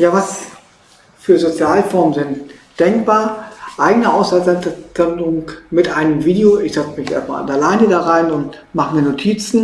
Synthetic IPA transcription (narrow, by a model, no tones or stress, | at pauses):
jaːvas | fyːɐzot͡sjaːlfɔɐmənzɪntd̥ɛŋk̚b̥aːɐʔaɪɡənəʔaʊsazɛzandʊŋmɪtʔaɪnəmviːdeoɪçz̥ɛt͡smɪçʔḛɐst̚ma̰ːla̰ndaɐlaɪnədaːʁaɪnʊnt | maχəmiːɐnotʰiːt͡sn̩